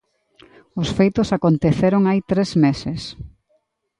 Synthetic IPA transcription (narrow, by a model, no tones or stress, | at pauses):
ʊsfejt̪ʊsakont̪eθeɾʊŋajt̪ɾezmesɪs